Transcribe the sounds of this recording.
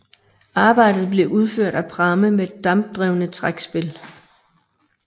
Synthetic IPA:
ɑ̈ːb̥ɑ̈ɪ̰d̥ð̞̩ˠb̥le̝ʔuð̞ˠføɐ̰d̥æpʰʁɑ̈məmeed̥ːɑ̈mb̥̚d̥ʁɛʊnət͡sʰʁaɡ̥sb̥e̝l

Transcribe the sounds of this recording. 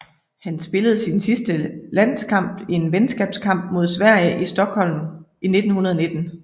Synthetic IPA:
hænsb̥e̝ləð̞̩ˠsinsisd̥əlæn̰skʰɑ̈m̰b̥e̝nʋensɡ̥ɛːb̥skʰɑ̈m̰b̥mo̝ð̞̰ˠsʋæɐ̰jəʔisd̥ɒ̽ɡ̥hɒ̽l̰mine̝d̥n̩hunɐð̞ˠɒne̝d̥n̩

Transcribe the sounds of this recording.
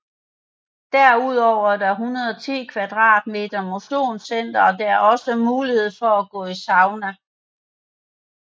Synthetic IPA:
d̥æɐuð̞̰ˠɒʊ̰ɐd̥ɑɦunɐðˠɒt͡sʰḭːkʰʋæd̥ʁɑ̰̈ːd̥̚me̝̰ːd̥ɐmo̝ɕo̝̰ːnsen̰d̥ɐɒ̽d̥eæɐɒ̽səmuːlihe̝ð̞̰ˠfɒ̽æɡ̥ɔ̰̽ːisɑ̈ʊnæ

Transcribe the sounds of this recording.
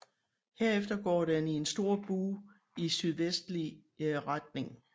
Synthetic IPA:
he̝ɐefd̥ɐɡ̥ɒ̰ːɾ̥enie̝nsd̥o̝ɐ̰b̥uː | isyð̞ˠʋesd̥liʁad̥̚ne̝ŋ

